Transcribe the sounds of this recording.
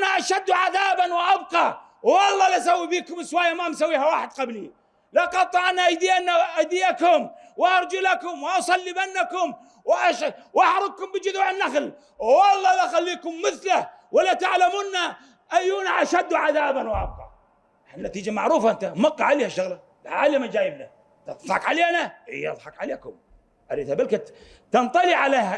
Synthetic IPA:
ʔanaʔaʃad̪ːuʕaðaːbanwɪʔabqɑ | wɑlˤːɑːlaʔsawːibiːkʊmɪswaːjːamamsawːiːhawaːħɪd̪̚qabli | laqɑt̪ˤːɑʔanaʔad͡ʒd̪iːʔanːaʔad̪iakʊmwʔɑɾˤd͡ʒʊlakʊmwʔɑsˤɑlːibanːakʊm | wɪʔaʃwʔaħɾˤʊɡ̪̚kʊmbɪd͡ʒʊðuʕɪnːaxl | wɑlˤːɑːlaxalːiːkʊmːɪθla | walːat̪aʕlamunːa | ʔajːunaʔaʃad̪ːuʕaðaːbanwʔɑ̰b̚qɑ̰ʕ | anːat̪iːd͡ʒamaʕɾuːfaʔɪnt̪amɑqːɑʕaleːhaʃːaɣla | lʕa̰ːlamad͡ʒaːjɪbna | ɑðˤħɑkʕaleːanaɪ̰jːʔɑ̰ðˤħɑkʕaleːkʊm | ʔaɾiːd̪habɪlka | t̪ɑnt̪ˤɑliʕaleːha

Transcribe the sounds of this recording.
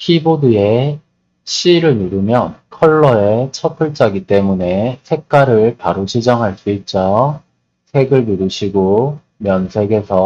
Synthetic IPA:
hʰibodɯe̞ | ɕʰiɾɯɭjuɾɯmjʌnkʰʌɭːʌet͡ɕʰʌpʰɯɭt͡ɕ͈aɡit͈e̞mune̞sʰe̞k̚k͈aɾɯɭpaɾot͡ɕʰid͡ʑʌŋɦaɭs͈uit̚t͡ɕ͈ʌj | sʰe̞ɡɯɭnuɾuɕʰiɡo | mjʌnsʰe̞ɡe̞sʰʌ

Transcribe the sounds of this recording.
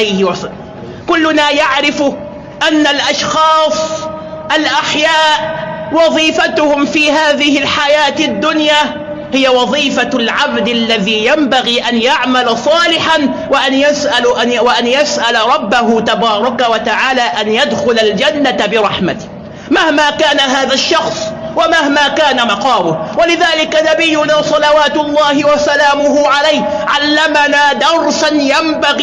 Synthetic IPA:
ajhɪwa | kʊlːʊnaːjaʕɾɪfʊ | ʔanːalʔaʃxɑːsˤ | ʔalʔaħjaːʔwɑðˤiːfat̪ʊhʊmfiːhaːðɪhɪlħajaːt̪ad̪ːʊnjaː | hɪjawɑðˤiːfalʕabd̪ʔalːaðiːjambaɣiːʔanjaʕmalasˤɑːlɪħanwaʔanjasʔalʔawʔanjasʔalaɾˤɑbːaɦʊt̪abɑːɾˤɑkawat̪aʕaːlaːʔanjad̪xʊlald͡ʒanːat̪abɪɾˤɑħmat̪ɪ̥h | mahmaːkaːnaɦaːðaʃːɑxsˤwamahmaːkaːnamɑqɑːwʊhwalɪðaːlɪkanabɪjːʊnaːsˤɑlɑwaːt̪ʊlˤːɑːhɪwasalaːmʊɦʊʕalajh | ʕalːamanaːd̪ɑɾˤsanjambaɣ

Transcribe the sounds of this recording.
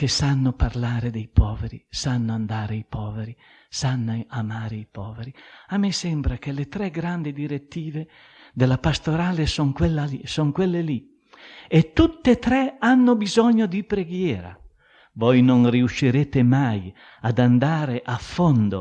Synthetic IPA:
k̟esanːoparlaːɾed̪ejpɔːveɾḭsanːoand̪aːɾeipɔːveɾi | sanːeamaːɾeipɔːveɾiamːɛsɛmbɾakelet̪ɾɛɡɾand̪id̪iɾet̪ːiːve | d̪elapast̪oɾaːlesɔŋkwelːaisɔŋkwelːeli | et̪ːut̪ːet̪ɾɛanːobizɔɲːod̪ipɾeɡjɛːɾa̰ | vɔjnonriuʃːiɾeːt̪emaj | ad̪and̪aːɾeʔafːɔnd̪o

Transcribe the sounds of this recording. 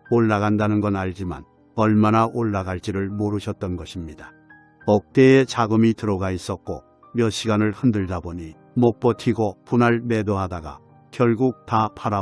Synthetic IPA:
oɭːaɣandanɯnɡʌnaʎd͡ʑima̰n | ʌɭmanaʔoɭːaɡaɭt͡ɕ͈iɾɯɭmoɾɯɕʰʌt̚t͈ʌnɡʌɕʰimɲida | ʌk̚t͈e̞et͡ɕaɡɯmitɯɾʌɡais͈ʌk̚k͈o̰ | mjʌɕʰiɡanɯɭhɯndɯɭdaboɲi | mok̚p͈ʌtʰiɡopunaɭme̞doɦadaɡa̰ | kjʌɭɡuk̚tapʰaɾa

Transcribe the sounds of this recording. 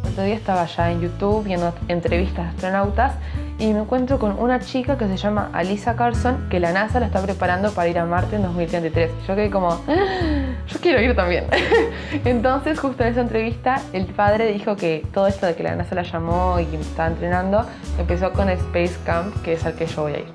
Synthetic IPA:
ot̪ɾoðiaest̪aβaʃaenjut̪uβbje̞nd̪oent̪ɾe̞βist̪asast̪ɾo̞nawt̪as | ime̞ŋkwe̞nt̪ɾo̞ko̞nṵnat͡ʃikake̞s̬eʃama̰ʔa̰lisakaɾsoŋke̞lanasalaest̪apɾepaɾand̪opaɾaiɾamaɾt̪end̪o̞zmilt̪ɾent̪it̪ɾe̞sʃo̞keðeko̞mo̞ | ʒ̥o̞kjeɾo̞iɾt̪ambje̞̰n | ent̪o̞nse̞sxust̪ones̬aent̪ɾe̞βist̪aelpað̞ɾe̞ðixo̞ket̪oð̞oest̪o̞ð̞ekela̰nasalaʃamoimest̪aβaent̪ɾe̞nãnd̪o̞ | empe̞s̬oko̞nespejskampkeeselkeʒo̞βo̞ja̰ḭɾ

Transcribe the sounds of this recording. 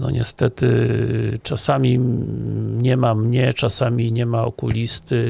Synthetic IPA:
nɔ̰ɲʔɛ̰st̪ɛt̪ɘ | t͡ʂasamʲi | ɲɛmamɲɛt͡ʂasamʲiɲɛmaɔ̰kulʲist̪ɘ

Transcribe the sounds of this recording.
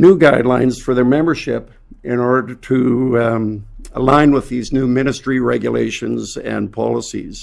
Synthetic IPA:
nuɡaɪdˡlãɪ̃nz̥fə˞ðə˞mɛ̃mbə˞ʃɪp | ʔɪ̃nɔɹdətʰɨ | əlãɪ̃nwəðiznumɪ̃ñɨstɹ̥iɹɛɡjəlḛɪʃɨ̃nzɨ̰̃npʰɑ̰lˠəsḭz̥

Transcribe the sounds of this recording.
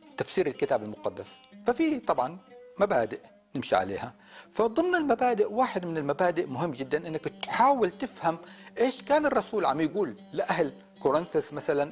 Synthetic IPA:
t̪afsiːɾalkɪt̪aːbalmʊqɑd̪ːas | fafit̪ˤɑbʕɑnmabaːd̪ɪʔ | nɪmʃiʕa̰lḛːha | fad̪ˤɨmnalmabaːd̪ɪʔwaːħɪd̪mɪnɪlmabaːd̪ɪʔmʊɦɪmːd͡ʒɪd̪ːanʔɪnːakt̪ħaːwɪlt̪ɪfhamʔeːʃkaːnɑrˤːɑsuːlʕa̰mːjɡuːlːɪʔahl | kʊɾɪnθɪsmaθalan

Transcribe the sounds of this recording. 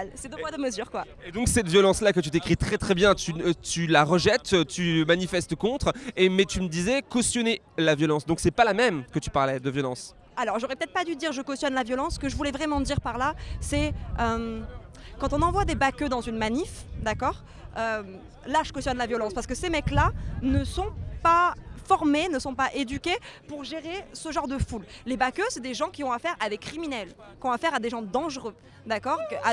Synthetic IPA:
lsɛd̪əmwad̪əməzyʁkwa | ed̪ɔ̃ksɛt̪vjɔlɑ̃slakət̪yt̪ekχit̪χɛt̪χɛbjɛ̃t̪yt̪ylaʁəʒɛt̪øt̪ymanifɛst̪kɔ̃t̪χemɛt̪yməd̪izɛkɔst̪jɔne | lavjɔlɑ̃sd̪ɔ̃ksɛpalamɛmkət̪y̥paʁlɛd̪əvjɔlɑ̃s | alɔʁʒoʁɛpə̥t̪ɛt̪χpad̪yd̪iʁʒəkɔsjɔnlavjɔlɑ̃sːkəʒəvulɛvʁɛmɑ̃d̪iʁpaʁlasɛøm | kɑ̃t̪ɔ̃nɑ̃vwad̪ebakød̪ɑ̃zynmanifd̪akɔːʁ | øm | laʒə̥kɔst̪jɔnlavjɔlɑ̃spaʁsəkəsemɛklanəsɔ̃pafɔʁmenəsɔ̃paʔed̪ykʲepuʁʒeʁesəʒɑ̃ʁd̪əfulːebakøsɛd̪eʒɑ̃kʲiɔ̃afɛʁad̪ekχiminɛl | kʲiɔ̃afɛʁad̪eʒɑ̃d̪ɑ̃ʒʁø | d̪akɔʁkʔa

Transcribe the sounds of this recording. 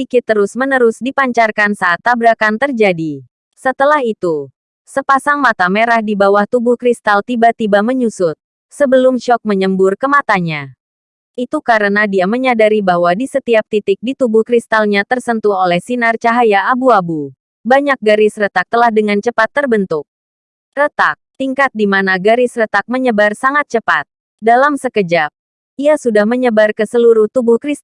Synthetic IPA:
ikɪt̪ːəɾʊsmənəɾʊsdipaɲt͡ʃarkansaːt̪ːabɾakant̪ərd͡ʒadi | sət̪əlaɦit̪u | səpasaŋmat̪ameɾahdibawaht̪ubʊhkɾist̪alt̪ibat̪ibaməɲusʊt̪̚ | səbəlʊmʃɔk̚məɲəmbʊrkəmat̪aɲa | ʔit̪ukaɾənadiaməɲadaɾibaɦwadisət̪iap̚t̪it̪ɪk̚dit̪ubʊhkɾist̪alɲat̪ərsənt̪uolɛhsinart͡ʃaɦajaːbuabu | baɲak̚ɡaɾɪsrət̪ak̚t̪əlahdəŋant͡ʃəpat̪ːərbənt̪uk̚ | rət̪ak̚t̪iŋkat̪̚dimanaɡaɾɪsrət̪ak̚məɲəbarsaŋat̪̚t͡ʃəpat̪̚ | dalamsəkəd͡ʒap̚ | ʔiasudahməɲəbarkəsəluɾʊht̪ubʊhkɾis

